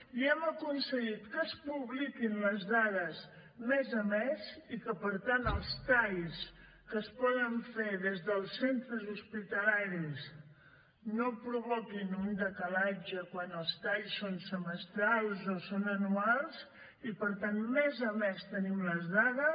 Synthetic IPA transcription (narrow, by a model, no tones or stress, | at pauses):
iɛməkunsəɣit̪kəspuβlikinləzðaðəz | mɛzəmeɛzikəpəɾt̪anəlˠst̪aʎs | kəspɔðəɱfeðezðəlˠsent̪ɾəzuspit̪əlaɾis | nopɾuβɔkinund̪əkəlad͡ʒəkwanəlˠst̪aʎsːonsəməst̪ɾalˠzosonənualˠz | ipəɾt̪anmɛzəmest̪ənimləzðaðə